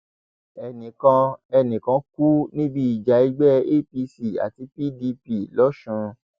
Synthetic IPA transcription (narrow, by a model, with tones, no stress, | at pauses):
ɛ˨nĩ˨kã˧ɛ˧nĩ˨kã˧ku˦nĩ˦bi˦i˨d͡ʒa˨i˧ɡ͡bɛ˦e˦pi˧si˨a̰˨ti˨˧˦pi˦di˧pi˨lɔ˦ʃũ˧